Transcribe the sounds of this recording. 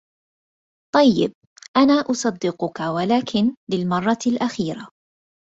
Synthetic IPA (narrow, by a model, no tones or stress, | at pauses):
t̪ˤɑjːɪ̰b̚ | ʔanaːʔʊsˤɑd̪ːɪqʊkawalaːkʰɪnlɪlmɑrˤːɑlʔaxiːɾa